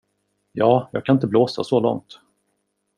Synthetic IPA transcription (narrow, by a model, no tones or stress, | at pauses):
jɑːjɑ̰ːɡkʰanɪnt̪əbloːsa̰sɔlɔ̰ŋt̪